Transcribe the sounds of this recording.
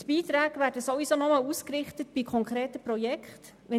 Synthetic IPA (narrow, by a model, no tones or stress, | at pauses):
tb̥iːt̪ɾæːɡʋæːɾdəsovisonɔmɑluːskrɪχtətb̥ikʰɔŋkχɾeːtəprɔjɛkχt | ʋɛ